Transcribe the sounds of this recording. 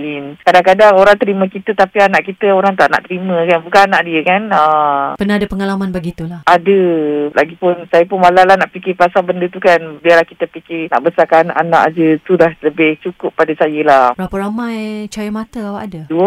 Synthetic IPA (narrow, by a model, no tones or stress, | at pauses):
linkadaŋkadaŋoɾaŋt̪əɾimə̃kit̪ət̪apianaʔkit̪əoɾaŋt̪a̰ʔna̰ʔt̪əɾimə̃kanbukananaʔdiəkanəpənaɦadəpəŋalamãnbaɡit̪ulahʔadəlaɡipʊnsajəpʊnmalalahnaʔpikɪpasabəndət̪ukanbialahkit̪əpikɪrna̰ʔbəsakanʔana̰ʔad͡ʒət̪udahləbɪht͡ʃukʊpːadasajəlabɾapəɾamãjt͡ʃajəmãt̪əawa̰ʔadaduə